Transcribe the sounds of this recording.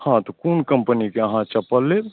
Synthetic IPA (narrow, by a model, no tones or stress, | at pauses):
hãt̪ɔkunkəmpənikeəɦãt͡ʃəpəlːe